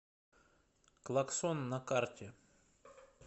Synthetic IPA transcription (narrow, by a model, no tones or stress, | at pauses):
klˠɐksonːɐkartʲɪ